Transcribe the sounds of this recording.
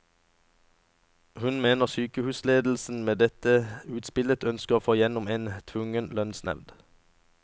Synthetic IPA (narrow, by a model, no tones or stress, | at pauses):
hʉnmeːnəʁsyːkəhʉːsleːd̪l̩sn̩meːd̪ɛt̪əʉːt̪spɪlət̪œnskəʁoːfoːjɛnʊmeːnt̪ʰʋʊŋənlœnsnɛ̰ʋd̪